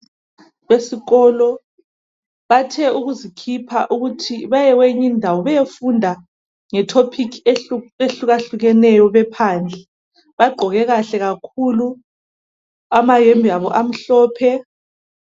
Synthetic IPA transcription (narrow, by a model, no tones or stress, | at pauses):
βesiɣɔlɔ | βatʰɛuɣuzikʰipʰa̰ʔuɣutʰiβajɛweɲindʱawɔβɛjefundʱa | ŋɛtʰopʰikʰeeɬuɣaɬuɣɛnɛjɔβɛpʰaːnd͡ɮʱɛ | βaɡ͡ǃʱɔɣɛɣaɬɛɣakʰulu | amajembʱiaβɔʔam̩ɬɔːpʰɛ